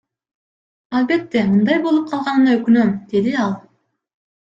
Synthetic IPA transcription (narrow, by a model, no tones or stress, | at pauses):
ɑlˠbe̞t̪ːe̞mɯnd̪ɑjbo̞lˠup̚qʰɑlˠʁɑnɯnɑøkynø̞md̪̥e̞d̪iɑlˠ